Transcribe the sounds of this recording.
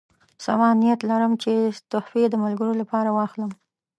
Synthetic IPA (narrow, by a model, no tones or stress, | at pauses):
samɑnijat̪laɾəmt͡ʃet̪ʊhfed̪əmalɡəɾolapɑɾawɑxləm